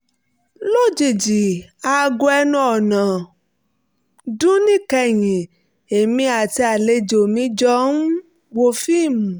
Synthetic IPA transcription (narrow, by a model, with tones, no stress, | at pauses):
lo˦˨d͡ʒi˨d͡ʒi˨a˧ɡo˧ɛ˧nũ˧˦ɔ˨nã˨ | dũ˦nĩ˦kɛ˧˨jĩ˨ | e˨mĩ˧˦a˨ti˧a˨le˧d͡ʒo˨mĩ˨˧˦d͡ʒɔ˧˦nu˦ | wo˧fi˦˨mũ˨